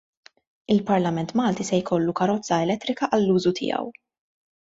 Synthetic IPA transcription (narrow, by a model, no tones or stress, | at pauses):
ɪlpɐɾlɐmɛnt̪mɐːlt̪isɛjkʰɔlːukɐɾɔt͡sːɐɛlɛt̪ːɾɪkɐʔɐlːuːzut̪ʰɪ̰ːɐ̰w